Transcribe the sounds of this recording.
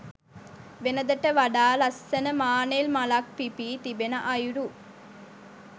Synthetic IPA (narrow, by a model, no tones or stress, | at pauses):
ʋenɐd̪ɐʈːəʋɐɖaːlɐsːɐnəmaːnelmɐlak̚pipiːt̪ibenɐʔɐjuɾu